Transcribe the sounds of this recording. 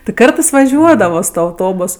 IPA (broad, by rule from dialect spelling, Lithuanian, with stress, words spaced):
tʲɪ ˈkɐrtɜs ʋɐˈʒʲuɔdɐʋoː sʊ ˈtuɔ ɐʊˈtoːbʊs